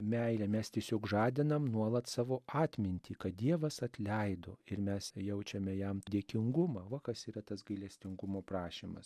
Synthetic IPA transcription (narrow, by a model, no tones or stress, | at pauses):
mʲɛɪlʲɛmʲɛst̪ʲiɛsʲoːkʒɑːd̪ʲɪnɐmnuɔlˠɐt̪sɑːʋoːʔɑːt̪ʲmʲɪnʲt̪ʲiːkɐt̪̚d̪ʲiɛʋɐsɐt̪ʲlʲɛɪd̪o̰ːɪɾmʲɛsjɛʊt͡ʃʲɛmʲɛjɛmd̪ʲiɛkʲɪŋɡʊmɑːʋɐkɐsiːɾɐt̪ɐsɡɐɪlʲɛsʲt̪ʲɪŋɡʊmoːpɾɑːʃʲimɐ̰s